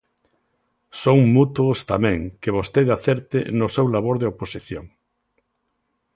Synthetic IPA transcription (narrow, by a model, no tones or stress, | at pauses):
sõŋmut̪wost̪amɛ̃ŋkeβ̞ost̪eðaθeɾt̪ɪnʊsewlaβoɾðeoposiθjoŋ